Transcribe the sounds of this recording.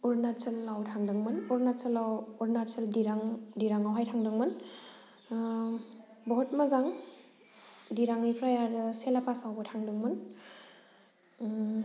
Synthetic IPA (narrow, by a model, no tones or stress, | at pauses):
uɾnatsɯlːawtʰaŋdɯŋmɯnuɾnasɯlawuɾnatsəldiɾaŋdiɾaŋawɦajtʰaŋdɯŋmɯn | bɔɦɔt̚mazaŋ | diɾaŋipʰɾajaɾɯselapʰasawbɯtʰaŋdɯŋmɯn